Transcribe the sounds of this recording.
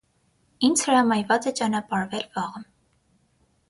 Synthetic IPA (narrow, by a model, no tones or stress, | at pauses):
ind͡zhəɾɑmɑjvɑt͡sɛt͡ʃɑnɑpɑɾvɛlvɑʁəm